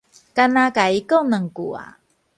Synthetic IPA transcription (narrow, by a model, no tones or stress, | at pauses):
kanakaikəwnəŋkua̰